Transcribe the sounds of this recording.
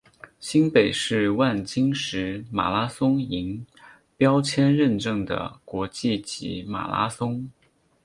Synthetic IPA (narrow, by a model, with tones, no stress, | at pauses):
ɕi˥npe˨˩ɪʂɻ̩˥˧wa˥˩nt͡ɕi˥ŋʂɻ̩˧˥ma̰˨˩la˥sʊ˥ŋi˧˥ŋ | pjɑ˥ʊt͡ɕʰjɛ˥nɻə˥˧nʈ͡ʂɤ˥˩ŋd̪ə̰˩kwɔ˧˥t͡ɕi˥˩t͡ɕḭ˧˥ma̰˨˩la̰˥sʊ˥ŋ